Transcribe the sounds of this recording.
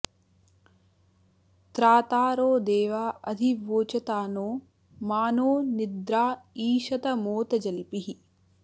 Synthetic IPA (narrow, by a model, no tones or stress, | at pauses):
t̪ɾaːt̪aːɾoːd̪eːʋaːʔɐd̪ʱiʋoːt͡ʃɐt̪aːnoː | maːnoːnid̪ɾaːiːʃɐt̪ɐmoːt̪ɐd͡ʒɐlpiɦi